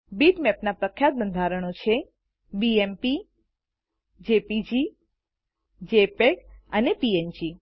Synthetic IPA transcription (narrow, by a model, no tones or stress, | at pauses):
biʈmɛpnapɾəkʰjat̪̚bənd̪ʱaɾəɳ̃ot͡ʃʰe | biempi | d͡ʒepid͡ʒi | d͡ʒepekənepiend͡ʒi